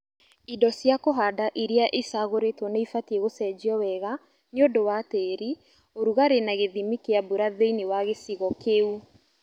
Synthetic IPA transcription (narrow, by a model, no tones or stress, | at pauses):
idɔsjakoɦadaʔiɾiaʔesaɣoɾetwɔneifatieɣosɛd͡ʒiɔwɛɣa | neodowateɾi | oɾuɣaɾenaɣeðimikeabuɾaðeinewaɣesiɣɔkeu